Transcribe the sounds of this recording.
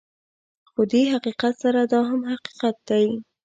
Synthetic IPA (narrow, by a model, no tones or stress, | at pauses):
xod̪eɦaqiqat̪saɾad̪ɑɦamhaqi̥qat̪̚d̪aj